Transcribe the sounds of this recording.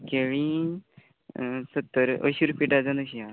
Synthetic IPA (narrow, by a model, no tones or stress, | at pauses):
keɭĩ | sət̪ːəɾə̰ɕuɾpiʈad͡zanəɕiã